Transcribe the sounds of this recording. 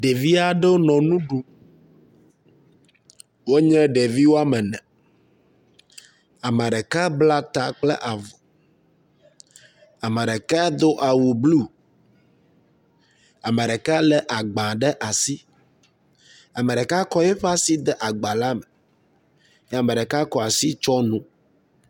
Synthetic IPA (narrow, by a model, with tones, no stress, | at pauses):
ɖe˨vi˦a˦ɖɛ˦wo˦nɔ̃˨nũ˦ɖu˦ | wo˦ɲɛ̃˦ɖe˨vi˦wo˦a˦mɛ˨nɛ̃˨ | a˨ma˨ɖɛ˨ka˦bla˦t̪a˦k͡plɛ̰˦ʔa˨vɔ˨ | a˨ma˨ɖe˨ka˦d̪o˦ʔa˨wu˨blu˦˨ | a˨me˨ɖɛ˨ka˦lɛ˦ʔa˨ɡ͡bã˨ɖɛ˦ʔa˨si˦ | a˨mə˨ɖɛ˨ka˦kɔ˦jɛ˦ɸɛ˦a˦si˦d̪ɛ˦ʔa˨ɡ͡ba˨la˦mɛ˨ | ja˨mə̃˨ɖe˨ka˦kɔ˦a˨si˦t͡ʃɔ˦nũ˦